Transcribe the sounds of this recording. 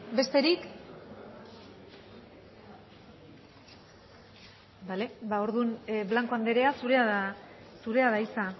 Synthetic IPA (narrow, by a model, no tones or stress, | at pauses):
be̞st̪e̞ɾik | bale̞bao̞ɾðunblaŋko̞and̪e̞ɾe̞asuɾeað | suɾe̞aðaisa